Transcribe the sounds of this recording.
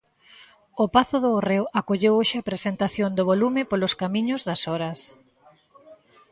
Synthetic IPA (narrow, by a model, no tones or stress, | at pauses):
ʊpaθʊðʊːrewʔakoʎewoʃɪapɾesent̪aθjond̪ʊβolumɪpolʊskamĩɲʊzðɐsɔɾɐs